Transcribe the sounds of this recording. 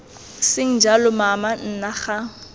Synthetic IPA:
sɪŋ̩d͡ʒalʊmaman̩naχa

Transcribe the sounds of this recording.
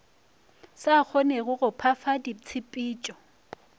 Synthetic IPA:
sak͡xʰɔneɣʊɣʊpʰafadit͡sʰɪpʼiːt͡ʃʼɔ

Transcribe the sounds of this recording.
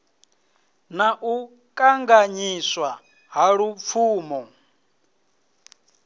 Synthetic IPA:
naʔu | kʼaŋɡaɲiswa | ɦaɺup̪fʰuːmɔ

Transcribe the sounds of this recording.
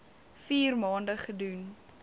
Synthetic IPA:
fiːrmɑːndəχədun

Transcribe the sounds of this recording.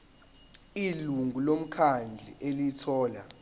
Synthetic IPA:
iluŋɡʱulom̩kʰand͡ɮʱḭʔelitʰɔːla

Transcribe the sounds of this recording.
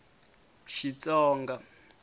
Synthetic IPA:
ʃit͡sʼɔːŋɡa

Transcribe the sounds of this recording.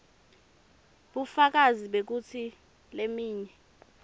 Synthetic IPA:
ɓufak̬aziɓek̬ut͡sʰi | lemiːɲɛ

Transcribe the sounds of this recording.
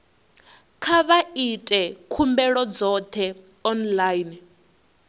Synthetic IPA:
kʰaβaitʼɛkʰumbɛɺɔd͡zɔt̪ʰɛ | ɔnlajn

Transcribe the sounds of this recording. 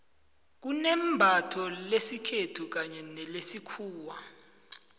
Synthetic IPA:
k̬unɛmbʱatʰɔlesikʰetʰuk̬aɲɛnɛlesikʰuːwa

